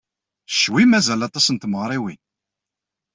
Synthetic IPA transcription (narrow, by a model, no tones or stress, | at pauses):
ʃwimæzælɑt̪ˤɑsənt̪məʁɾˤiwin